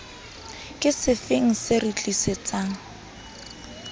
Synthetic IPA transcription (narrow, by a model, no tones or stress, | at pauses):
kʼɪsɪfɪŋ̩sɪrit͡ɬʼisɪt͡sʼaːŋ̩